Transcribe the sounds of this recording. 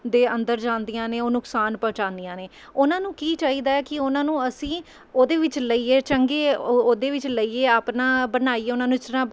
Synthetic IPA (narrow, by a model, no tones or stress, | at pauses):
d̪eːənd̪əɾd͡ʒãːnd̪ijãːneːoːnʊksaːnpəːt͡ʃãːnd̪ijãːneː | ʊnãːnũːkiːt͡ʃaːiːd̪aːɛːkɪʊnãːnũːəsĩː | oːd̪eːʋɪt͡ʃləiːeːt͡ʃəŋɡeːoːd̪eːʋɪt͡ʃləiːeːaːpnaːbənaːiːɛːʊnãːnũːɪsɾãː